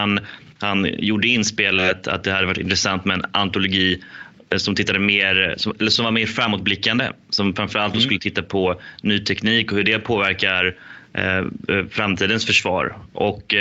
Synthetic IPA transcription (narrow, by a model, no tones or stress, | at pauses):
an | hanjuɖəɪnspeːlət̪ʰa̰t̪̚d̪ɛhad̪əvaʈːɪ̰nt̪ɾɛsant̪mɛɛna̰nt̪ʊlʊɡiː | sɔmt̪ɪt̪ːad̪əmeːɾsɔmɛlːəʂɔmvaɾmeːɾfɾamːʊt̪̚blɪkːand̪ə̰ | sɔmfɾanfœɾalt̪d̪oːskɵlːət̪ʰɪt̪ːapʰɔnyːt̪ʰɛkniːkɔhɵɖɛpʰoːvæɾkaɾ̰ | fɾamt̪ʰiːd̪ənsfœʂvɑ̰ːɾʔɔ̰k